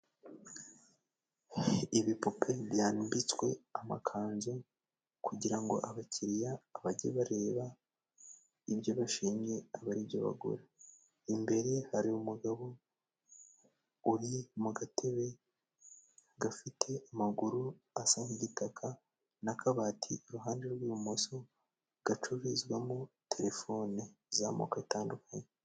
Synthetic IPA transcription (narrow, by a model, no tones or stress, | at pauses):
iβipupʰe̞βjaːnbit͡swe̞ama̰kʰaːnzo | kuɟiɾaŋɡo̞̰ʔaβacʰiɾijaːβaɟeβaɾe̞ːβa | ibjo̞βaʃiːɲɟe̞aβaɾibɟo̰βa̰ɡṵɾa | imbe̞ɾe̞haɾiumuɡaβo̞ | uɾimuɡatʰe̞βe̞ | ɡafitʰe̞amaɡuɾu | asaŋiɟitakʰa | nakʰaβaːtʰiuɾuɦaːnde̞ɾɡwiumoso | ɡ̥at͡ʃuβizɡwamu | tʰe̞ɾe̞fo̞ːni | zamo̰kaitaːndukaɲe